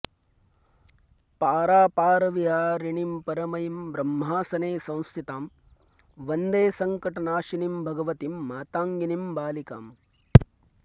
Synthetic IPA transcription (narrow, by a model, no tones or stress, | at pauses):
paːɾaːpaːɾɐʋiɦaːɾiɳimpɐɾɐmɐjimbɾɐmːɦaːsɐneːsɐ̃w̃st̪ʰit̪aːm | ʋɐnd̪eːsɐŋkɐʈɐnaːʃinimbʱɐɡɐʋɐt̪imːaːt̪aːŋɡinimbaːlika̰ːm